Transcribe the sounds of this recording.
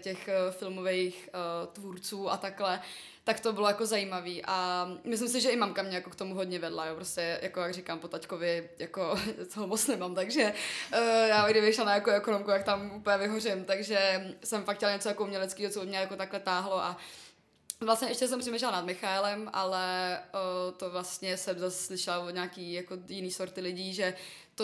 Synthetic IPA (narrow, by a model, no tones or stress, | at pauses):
cɛxfɪlmovɛjxt̪vuːɾt͡suːʔa̰t̪aklɛ | t̪akt̪o̞bɪlo̞jakozajiːmaviːʔamɪslɪms̬ɪʒɛɪmamkamɲɛjako̞kt̪omuɦod̪ɲɛvɛdlajopɾoscɛjakojaɡrɪkampot̪ackovjɪjako̞t͡soɦomot͡snɛmamt̪aɡʒɛ | jaːɡdɪbɪxʃlalnaʔɛkoɛko̞nomkujak̚t̪amuplɲɛvɪɦorɪmt̪aɡʒɛsɛmfak̚cɛlɲɛt͡sojakoumɲɛlɛt͡skiːɦot͡sobɪmɲɛjako̞t̪aklɛt̪aːɦlo̞ʔa | vlast̪ɲɛʔɛʃcɛs̬ɛmpr̥ɛmeːʃ̬ɛlnad̪mɪxaɛlɛmʔalɛ | t̪ovlast̪ɲɛsɛmzasslɪʃɛlavoɲaːkiːjakojɪniːsoɾt̪ɪlɪɟiːʒɛt̪o